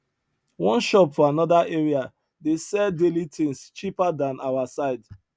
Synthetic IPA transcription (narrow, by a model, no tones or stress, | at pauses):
wɔ̃nʃɔp̚tɔanɔdaʔeɹia | desɛdelitʰẽŋst͡ʃipadãnʔawasaɪd